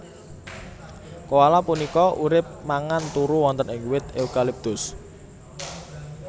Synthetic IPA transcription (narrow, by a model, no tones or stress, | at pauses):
kowalapunikɔʔuɾɪp̚maŋant̪uɾuwɔnt̪ənɪŋwɪt̪eukalip̚t̪ʊs